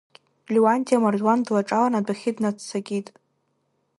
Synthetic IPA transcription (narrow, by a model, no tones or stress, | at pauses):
lʲiwantʰʼjamardwandlaʈ͡ʂʼalanadʷaχʲɪdnat͡sʰt͡sʰaɡʲitʼ